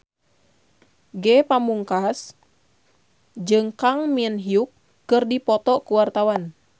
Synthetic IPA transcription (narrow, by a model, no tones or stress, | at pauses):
ɡɛpamuŋkas | d͡ʒɨŋkaŋmiənɦiukː | ɨrdipɔt̪ɔkuwart̪awan